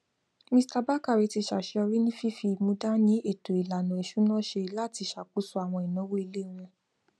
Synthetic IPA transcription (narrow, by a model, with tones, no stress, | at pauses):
mĩ˧˦sta˧ba˦ka˦˨e˨˦ti˧ʃa˨ʃe˧ɔ˧ɾi˦nĩ˦fi˦fi˧mũ˧˦da˦nĩ˦e˦˨to˨i˨la˨nã˨i˨ʃu˨˦nɔ̃˦˨ʃe˧la˦˨ti˧ʃa˨ku˨˦su˦a˨w̃ɔ̃˧i˨nã˨˦wo˦i˧le˦ɾ̃ũ˧